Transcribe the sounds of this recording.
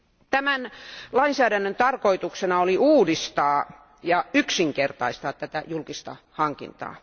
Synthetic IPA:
t̪æmænlɑinsæːdænːønt̪ɑrkoit̪uksenɑoliuːdist̪ɑː | jɑyksiŋkert̪ɑist̪ɑːt̪t̪æt̪æjulkist̪ɑ̰ | hɑŋkḭnt̪ɑ̰ː

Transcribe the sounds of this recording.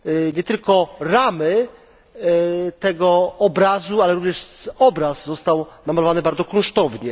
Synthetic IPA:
ɲɛt̪ɘlkɔɾamɘ | t̪ɛɡɔɔbɾazualɛɾuvɲɛʂɔbɾaszːɔst̪awnamalɔvanɘbaɾd̪zɔkɔ̃ʂt̪ɔvɲɛ

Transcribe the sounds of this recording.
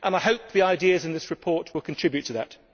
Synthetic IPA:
ʔə̃naɪɦoʊp̚ðiaɪdiəzɨ̃nðɪsɹɨpʰɔˑɹt̚ʰwɪlˠkʰə̃ntʰɹ̥ɪbjʉtʰəðət

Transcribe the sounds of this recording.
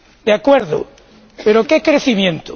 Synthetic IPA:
d̪eakweɾðʊ̰ | peɾokekɾeθimjẽnt̪o

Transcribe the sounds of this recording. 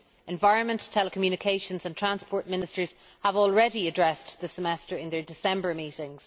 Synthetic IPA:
ɛ̃ɱvaɪɹə̃nmə̃ntʰɛləkʰəmjʉñɪkʰeɪʃə̃nzə̃ntʰɹ̥ãnspʰɔːɹt̚mɪ̃nɪstə˞z̥ | əvɔːlˠɹɛɾiədɹɛsðəsəmɛstə˞ɪ̃nðə˞dɪsɛ̃mbə˞miɾɪ̃ŋz̥

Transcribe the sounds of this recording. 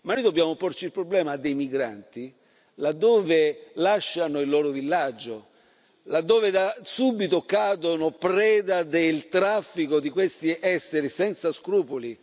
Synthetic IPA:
manːojd̪obːjaːmopɔrt͡ʃilpɾoblɛːmad̪ːejmiɡɾa̰nt̪i | lad̪ːɔːvelaʃːanoilːɔːɾʊvilːad͡ʒːo | lad̪ːoːvɪd̪asubːit̪ʊkaːd̪onopɾɛːd̪ad̪elt̪ɾafːikod̪ikwest̪iʔɛsːeɾisɛnt̪saskɾuːpoli

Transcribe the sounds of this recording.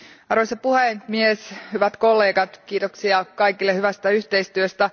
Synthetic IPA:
ɑɾʋosɑpuhemieshyʋæt̪ko̞lːeːɡɑt̪kiːt̪oksiɑkɑikilːehyʋæst̪æyht̪eist̪yøst̪æ

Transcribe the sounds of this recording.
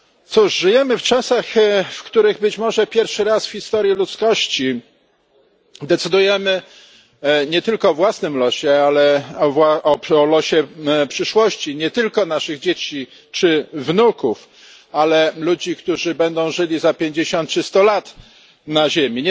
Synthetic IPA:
t̪suʂʐɘjɛmɘft͡ʂasaxfkt̪uɾɘɣbɘt͡ɕmɔʐɛpʲjɛɾfʂɘɾasfçʲist̪ɔɾʲjilut̪skɔɕt͡ɕi | d̪ɛt̪sɘd̪ujɛmɘ | ɲɛt̪ɘlkɔːvwasnɘmlɔɕɛalɛvwaɔɔlɔɕɛpʂɘʂwɔɕt͡ɕiɲɛt̪ɘlkɔnaʂɘɣd͡ʑet͡ɕi | t͡ʂɘvnukuf | alɛlud͡ʑikt̪uʐɘbɛnd̪ɔ̃w̃ʐɘlʲizapʲjeɲd͡ʑeɕɔnt̪̚t͡ʂɘst̪ɔlat̪ | naʑemʲiɲ

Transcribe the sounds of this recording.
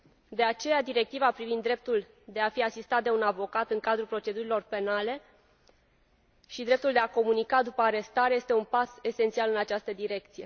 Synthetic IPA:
d̪e̞at͡ʃe̞jad̪iɾe̞k̚t̪ivapɾivind̪ːɾe̞p̚t̪ul | d̪e̞afiasist̪at̪d̪e̞unavo̞kat̪ɨŋkad̪ɾupɾo̞t͡ʃe̞d̪uɾilo̞rpe̞nale̞ | ʃid̪ɾe̞p̚t̪uld̪e̞ako̞munikad̪upəaɾe̞st̪aɾeje̞st̪e̞unpase̞se̞nt̪sialɨnat͡ʃast̪əd̪iɾe̞k̚t̪sije̞

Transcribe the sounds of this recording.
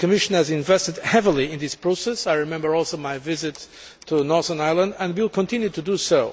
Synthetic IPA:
kɨmɪʃə̃nɨzɪ̃ɱvɛstɨdhɛvəl̩ˠiɪ̃nðɪspʰɹ̥oʊsɛsajɹɨmɛ̃mbə˞ɔlˠsoʊmajvɪzɪtʰː | unɔɹθə̃najlˠə̃ndə̃ndwilˠkʰɔ̃ntɪ̃njut̪udusoʊ

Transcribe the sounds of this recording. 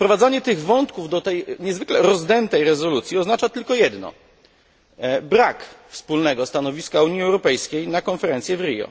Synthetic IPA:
fpɾɔvad̪zaɲɛt̪ɘɣvɔnt̪kuvd̪ɔt̪ɛjɲɛzvɘklɛɾɔzd̪ɛnt̪ɛjɾɛzɔlut̪sʲjiɔznat͡ʂat̪ɘlkɔjɛd̪nɔ̰ | bɾakfspulnɛɡɔst̪anɔvʲiskauɲiɛwɾɔpɛjskʲejnakɔnfɛɾɛnt̪sjɛvɾijɔ̰

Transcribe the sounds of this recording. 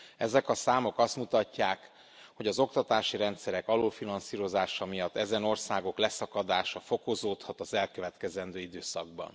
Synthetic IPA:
ɛzɛkɒsaːmo̞kɒst̪mut̪ɒcːaːk | ho̞ɟɒzo̞kt̪ɒt̪aːʃiɾɛnt̪sɛɾɛkɒloːfinɒnsiːɾo̞zaːʃɒmijɒt̪ːɛzɛno̞rsaːɡo̞klɛsɒkɒd̪aːʃɒfo̞kozoːt̪hɒt̪ɒzɛlkø̞vɛt̪kɛzɛnd̪øːid̪øːsɒ̰ɡ̚bɒ̰n

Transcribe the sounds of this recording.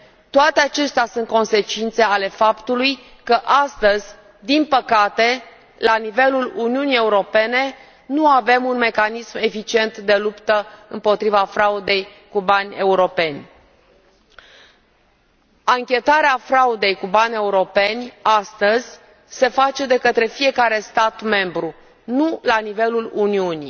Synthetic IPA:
t̪oat̪eat͡ʃe̞st̪easunt̪̚ko̞nse̞t͡ʃint̪se̞ale̞fapt̪uluj | kəʔast̪əzʲ | d̪inpəkat̪e̞ | lanive̞luluniunije̞uɾo̞pe̞ne̞ | nuave̞munme̞kanisme̞fit͡ʃie̞nt̪d̪e̞lupt̪əɨmpo̞t̪ɾivafɾaud̪e̞j | kubanʲe̞uɾo̞pe̞nʲ | aŋkʲe̞t̪aɾeafɾaud̪e̞jkubanʲe̞uɾo̞pe̞nʲast̪əzʲ | se̞fat͡ʃe̞d̪e̞kət̪ɾe̞fije̞kaɾe̞st̪at̪me̞mbɾu | nulanive̞luluniunḭ

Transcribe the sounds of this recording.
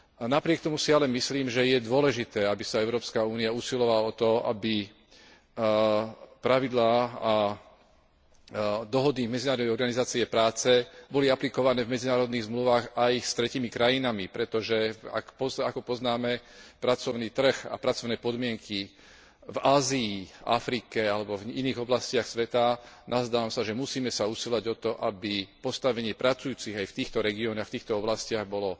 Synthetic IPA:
napɾɪɛk̚t̪ɔmusialɛmisliːmʒɛjɛd̪ʊɔlɛʒit̪ɛːabisaɛʊɾɔːpskauːniauːsilɔʋalaɔt̪ɔa̰bi | pɾaʋid̪laːa | d̪ɔɦɔd̪imɛd͡zinaːɾɔd̪ɛjɔɾɡanizaːt͡siɛpɾaːt͡sɛbɔliaplikɔʋanɛːvmɛd͡zinaːɾɔd̪niːɣzmluʋaːɣajst̪ɾɛcimikɾajinamipɾɛt̪ɔʒɛa̰kpɔakɔpɔznaːmɛpɾat͡sɔʊniːt̪r̩ɣa̰pɾat͡sɔʊnɛːpɔd̪mɪɛŋkʰi | vaːziːa̰fɾikɛalɛbɔviniːɣɔblascɪaxsʋɛt̪anazd̪aːʋamsaʒɛmusiːmɛsausilaɟɔt̪ɔʔabipɔst̪aʋɛɲɪɛpɾʔat͡sujuːt͡siɣajft̪iːxt̪ɔɾɛɡiɔːnɔxft̪iːxt̪ɔɔblascɪaɣbɔlɔ

